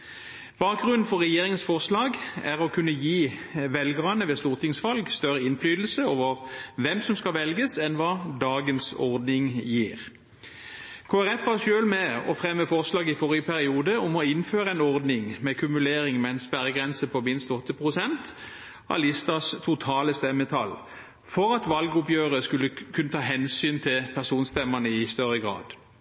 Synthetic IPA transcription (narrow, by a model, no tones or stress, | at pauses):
b̥ɑːk̚ɡʁʉnn̩fɔʁːɛjeːʁɪŋənsfɔʁslɑːɡæʁɔkʰʉnːəjiːʋɛlɡʁɑnəʋɛst̪uːʁt̪ʰɪŋsʋɑlɡst̪œʁəɪnflyːd̪l̩səoːʋəʁʋɛmsɔmskɑʋɛlɡəsɛnʋɑːd̪ɑːɡənsɔ̰ʁd̪nɪŋjiːʁ | kʰoːæʁɛfɑʃøːlmɛɔ̰fʁɛmːəfɔʁslɑːɡɪfɔɾɪəpʰæʁɪuːd̪əʊmɔɪnføːɾəɛɪnɔʁd̪nɪŋmɛkʰʉmʉleːɾɪŋmɛɪnspæɾəɡʁɛnsəpʰɔmɪnst̪ɔt̪ːəpʰʁʊsɛnt̪ | ɑ̰lɪst̪ɑst̪ʰʊt̪ʰɑːləst̪ɛmːət̪ʰɑl | fɔʁɑt̪ʋɑlɡʊpjøːʁəskʉlːəkʰʉnːət̪ʰɑːɦɛnsyːnt̪ʰɪlpʰæʁsuːnst̪ɛmːənəɪst̪œʁəɡʁɑ̰ːd̪